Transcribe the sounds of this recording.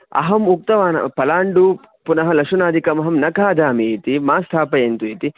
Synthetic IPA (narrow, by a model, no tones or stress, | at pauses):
ɐ̰ɦɐmuk̚t̪ɐʋaːnɐ̰pɐlaːɳɖu | punɐɦɐlɐkʂɐnaːd̪ikɐmɐɦɐmnɐkaːd̪aːmiːt̪imaːst̪ʰaːpɐjent̪uit̪i